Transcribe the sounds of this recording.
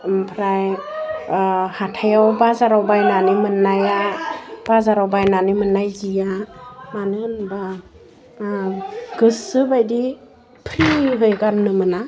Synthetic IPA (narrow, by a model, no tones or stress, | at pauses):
mpʰɾaj | hatʰajawbazaɾawbajnanimɯnːajab̥azaɾawbajnanimɯnːajzijamanɯnba | ɡ̥ɯsɯbajdi | pʰɾiɦɯjɡaɾnɯmɯna